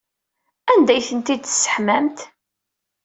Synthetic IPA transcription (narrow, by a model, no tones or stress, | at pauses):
ænd̪æjθənt̪id̪sːə̥ħmæmt̪